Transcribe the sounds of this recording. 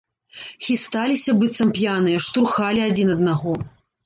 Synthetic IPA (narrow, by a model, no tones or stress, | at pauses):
xʲist̪alʲisʲɐbɨt̪sɐmpjanɨjɐʂt̪uɾxalʲiad͡zʲinɐd̪̚naɣɔ